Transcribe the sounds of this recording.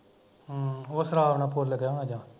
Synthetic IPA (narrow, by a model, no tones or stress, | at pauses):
osəɾaːʋnãːpoɾləɡjanad͡ʒãː